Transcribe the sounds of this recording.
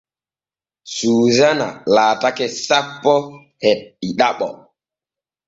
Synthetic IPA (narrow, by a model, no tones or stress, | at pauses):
suːzana̰laːtakɛsapːɔ | hɛt̚iɗaɓɔ̰